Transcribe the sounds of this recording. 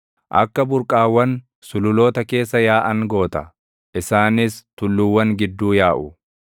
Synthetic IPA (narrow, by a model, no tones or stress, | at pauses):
ʔɐ̰kːɐbʊɾkʼaːwːɐn | sʊlʊlo̞ːt̪ɐke̞ːsːɐjaːʔɐŋɡo̞ːt̪ɐ | ʔɪsaːnɪst̪ʊlːʊwːɐŋɡɪd̪ːuːjaːʔʊ